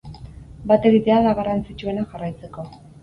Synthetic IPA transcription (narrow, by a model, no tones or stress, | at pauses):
bat̪e̞ɣit̪e̞aðaɣaɾant͡sit͡ʃue̞naʝarajt͡se̞ko̞